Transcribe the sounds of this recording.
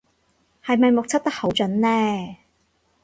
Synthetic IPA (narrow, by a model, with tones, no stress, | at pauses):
hɐ˨jmɐ˨jmʊ˨k̚t͡sʰɐ˥t̚t̪ɐ˥k̚ho˨˥wt͡ʃɵ˨˥nlɛː˥